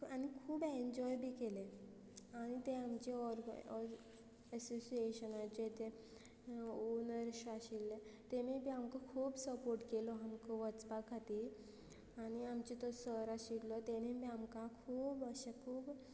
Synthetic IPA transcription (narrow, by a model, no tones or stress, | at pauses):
anikʰuːbeɲd͡ʑɔjbʱikele | aɽ̃it̪eamt͡ɕeɔɾ | əsosieɕənad͡ʑet̪e | unəɾɕaɕilːet̪emibiamkɔkʰuːbsəpoɾʈkelɔɦamkɔʋət͡spakʰat̪i | añiamt͡ɕit̪ɔsəɾaɕiɡlɔt̪enebĩamkakʰuːbəɕekʰuːb